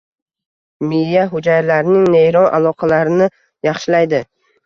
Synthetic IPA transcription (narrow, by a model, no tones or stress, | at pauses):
mɪaɦʊd͡ʒajlaɾɪnɪŋnejɾɒnʔa̰lˠɒqʰɑlaɾɪnɪ | jɑχʃɪlajd̪ɪ